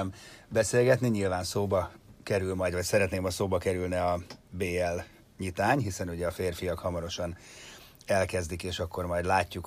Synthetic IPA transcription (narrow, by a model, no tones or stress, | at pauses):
mbɛseːlɡɛt̪niɲilvaːnsoːbɒkɛɾylmɒjdvɒcsɛɾɛt̪neːmɒsoːbɒkɛɾylnɛɒbeːɛl | ɲit̪aːɲɦisɛnuɟɛɒfeːrfijɒkhɒmɒɾo̞ʃɒn | ɛlkɛzd̪ikeːʃɒkːo̞rmɒjd̪laːcːuk